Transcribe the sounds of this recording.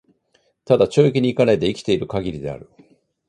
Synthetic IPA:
t̪ad̪at͡ɕo̞ːikʲiɲ̟iːkanait̪e̞ikʲi̥t̪e̞iɾɯ̟kaɡʲiɾʲid̪e̞a̰ɾɯ̟

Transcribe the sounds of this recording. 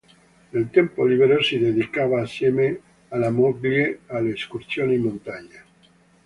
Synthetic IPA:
nelt̪empoliβeɾosiðeðikaβaːsjeme | alamoɡljealeːskuɾsjonimõnt̪aɲe

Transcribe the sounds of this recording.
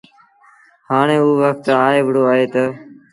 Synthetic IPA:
haːɳ̃ẽːuːʋək̚t̪aːɦeːʋɽoːaːɦeːt̪ə

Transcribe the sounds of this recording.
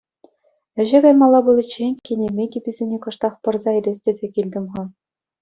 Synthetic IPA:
ɘ̆ʑɘ̆ɡɑjmɑlˠːɑbɤ̆lʲˠɘ̆t͡ɕːenʲkʲenʲemʲekʲibʲizʲenʲekɤ̆ʂt̪ɑχpɤ̆rzɑĕɾʲesʲtʲĕdʲĕkʲilʲd̪ʲɘ̆mʁɤ̆

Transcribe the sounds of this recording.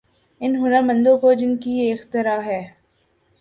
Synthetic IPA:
ɪnɦʊnəɾmə̃nd̪õkod͡ʒɪnkijeɪxt̪ɪɾaːɦɛː

